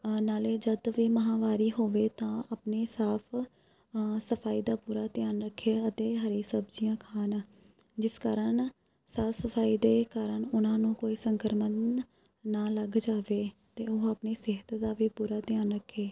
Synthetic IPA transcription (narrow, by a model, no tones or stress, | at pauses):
naːleːd͡ʒəd̪ʋiːməɦãːʋaːɾiːɦoːʋeːt̪ãːapneːsaːpʰ | səpʰaːiːd̪aːpuːɾaːt̪ɪjaːnɾəkʰːeːət̪eːɦəɾiːsəbd͡ʒijãːkʰaːnː | d͡ʒɪskaːɾən | saːfʰsəpʰaːiːd̪eːkaːɾəɳʊnãːnũːkoːiːsəŋkəɾmən | naːləɡd͡ʒaːʋeːt̪eːoːəpneːsɪɦət̪d̪aːʋiːpuːɾaːt̪ɪjaːnɾəkʰːeː